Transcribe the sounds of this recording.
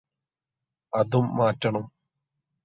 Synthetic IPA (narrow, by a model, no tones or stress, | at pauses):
ɐðumːaːtːɐɳɐm